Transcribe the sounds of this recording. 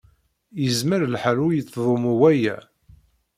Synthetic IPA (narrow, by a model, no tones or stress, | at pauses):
jəzməɾlħalujət͡sːðˤomuwæjæ̰